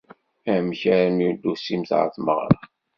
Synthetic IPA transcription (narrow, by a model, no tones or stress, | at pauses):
æmçæɾnid̪ːusimθʕə̰θməʁɾˤɑ